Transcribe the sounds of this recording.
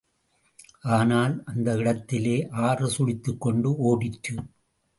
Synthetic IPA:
aːnaːlɐnd̪ɐɪɽɐt̪ːɪleːʔaːrɐsʊɻɪt̪ːɯkːɔɳɖɯoːɽɪʈrɯ

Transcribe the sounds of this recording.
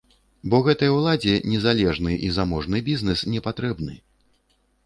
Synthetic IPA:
bɔɣɛt̪ɐjɐwlˠad͡zʲɛnʲɛzalʲɛʐnɨʔizamɔʐnɨbʲiznɛsnʲɛpat̪ɾɛbnɨ

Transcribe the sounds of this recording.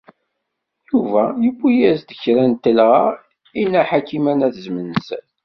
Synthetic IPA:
juvæjəbʷːijæzd̪əçɾænt̪əlʁa | inːæħakːimænæθzmənsæl

